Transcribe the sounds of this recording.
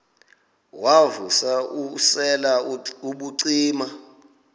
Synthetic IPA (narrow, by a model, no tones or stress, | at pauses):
wavusausɛlauɓuǀiːma